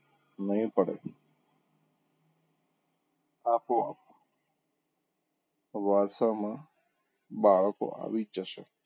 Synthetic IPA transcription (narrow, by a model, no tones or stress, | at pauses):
nəɦĩpəɽḛ | aːpoapo | ʋaɾsamã | baːɭko̰a̰ʋid͡ʒəse